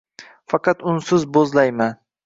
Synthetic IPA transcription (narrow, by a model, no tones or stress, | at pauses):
fɑqʰɑt̪ʊnsʊzbozlajman